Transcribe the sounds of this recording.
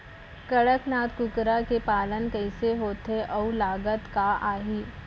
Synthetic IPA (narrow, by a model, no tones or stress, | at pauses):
kɐɽəknaːt̪kʊkɾakepaːlənkɐɪseɦoːt̪eʔɔulaːɡət̪kaʔaːɦiː